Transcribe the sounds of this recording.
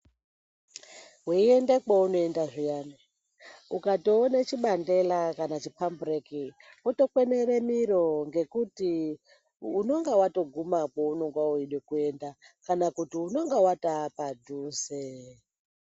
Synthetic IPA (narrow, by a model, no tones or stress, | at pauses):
ɦuiendekaunoendaʐijana | ukatoːnat͡ʃiɓande̞lakanat͡ʃipambureki | woto̞kweneɾemiɾo̞ŋɡe̞kuti | uno̞ŋɡewato̞ɡʱumakounoŋɡwauiɗwekue̞ndakanakutiuno̞ŋɡewataːpadʱuːse